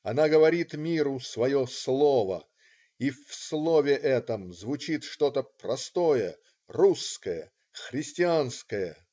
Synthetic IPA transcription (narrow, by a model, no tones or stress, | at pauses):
ɐnaɡəvɐɾʲit̪mʲiɾʊsvɐjo̞slˠovə̰ | ifslˠovʲɪʔɛt̪əmzvʊt͡ɕit̪ʂt̪o̞t̪əprɐst̪ojə̰ | ruskəjə̰ | xɾʲɪsʲtʲɪanskəjə